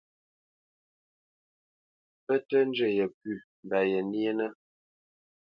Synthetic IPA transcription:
pə˦tə˦n˦d͡ʒə˨jə˨pʉ˦˨m˨ba˨jə˨nje˦nə˦

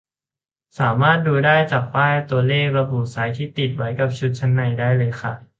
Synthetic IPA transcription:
saː˩˦maː˥˩t̪̚duː˧daː˥˩jt͡ɕaː˨˩k̚paː˥˩la˧˩t̪u˧ɐleː˥˩k̚ɾa˧bu˨˩t̪̚saː˩˦jt̪ʰiː˥˩t̪i˨˩t̪̚wa˩˦˥jka˨˩p̚t͡ɕʰu˦˥t̪̚t͡ɕʰa˦˥nːa˧jdaː˥˩jlɤː˧jxʰa˥˩

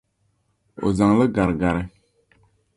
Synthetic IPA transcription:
o̰˨za˨ŋlə˦ɡa˨ɾɡa˨ɾɪ˦

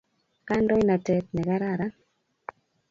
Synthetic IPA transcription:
ka˦ndɔ˦i˦na˨tɛ˨t̚nɛ˨ka˦ɾa˨ɾa˦

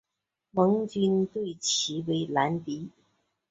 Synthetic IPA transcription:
mɤ˧˥ŋt͡ɕy˥nt̪we˥˩ɪt͡ɕʰi˧˥we˧˥ɪla˧˥nt̪i˧˥

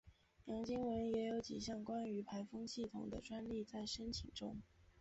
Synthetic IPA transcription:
jɑ˧˥ŋt͡ɕi˥ŋwə˧˥njɛ˧˥jo˧˥ʊt͡ɕi˨˩ɕjɑ˥˩ŋkwa˥ny˧˥pʰa˧˥ɪfɤ˥ŋɕi˥˩t̪ʰʊ̰˨˩ŋd̪ə̰˦ʈ͡ʂwa˥nli˥˧t͡sa˥˩ɪʂə˥nt̪ʰi˨˩ŋʈ͡ʂʊ̰˥ŋ

